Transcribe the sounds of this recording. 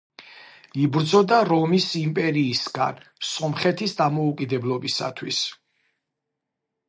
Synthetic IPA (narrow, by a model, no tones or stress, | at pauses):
ibɾd̪zɔd̪aɾɔmisimpʼɛɾiːsɡ̥a̰nsɔmχɛt̪ʰisd̪amɔukʼid̪ɛblˠɔbisa̰t̪ʰwḭs